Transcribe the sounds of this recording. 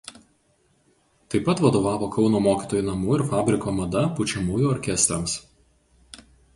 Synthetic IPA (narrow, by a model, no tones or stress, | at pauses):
t̪ɐɪpɐt̪ʋɐd̪oːʋɑːʋoːkɒʊnoːmoːkʲiːt̪oːjuːnɐmuːɪɾfɑːbʲɾʲɪkoːmɐd̪ɐpʊt͡ʃʲɛmuːjuːɔɾʲkʲɛsʲt̪ʲɾʲɐms